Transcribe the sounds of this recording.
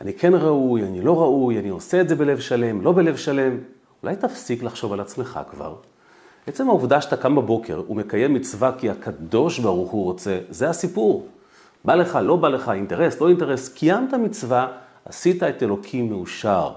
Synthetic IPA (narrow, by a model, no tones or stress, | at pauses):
anikʰe̞nʁaujanilo̞ʁaujanio̞seːtzebe̞le̞vʃale̞mlo̞be̞levʃale̞m | ula̰jtafsiklaχʃo̞valat͡sme̞χa̰kva̰ʁ | et͡se̞mhauvd̪aʃat̪akambabo̞ke̞̰ʁṵme̞kaje̞mːit͡svakiakad̪o̞ʃbaʁuχuʁo̞t͡se̞ze̞hasipuʁ | bale̞χalo̞baleχainte̞ʁe̞slo̞inte̞ʁeskijamt̪amit͡sva | asitae̞telo̞kʰimːeuʃaʁ